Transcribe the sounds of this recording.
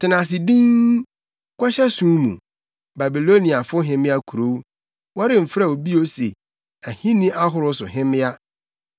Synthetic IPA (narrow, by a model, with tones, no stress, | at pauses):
tʰɪ˨nã˨s̬ɪ˨dĩ˦ŋ | kʷʰa˦ɕɛ˦sũ˦mṵ̃˨ | ba˨bi˨lo˦nĩ˨a˨fʊ˦ɦɪ̃˦mɪ̃˦a˦kʰu˨ɾo˦ | wɔ˦ɾɪ˦m̩˨fɾa˨o˨bi˦o˦sḛ˨ | æ˨hĩ˦nĩ˦ʔa˦ɦʊ˨ɾʊ˦sʊ̰˨ɦɪ̃˦mɪ̃˦a˦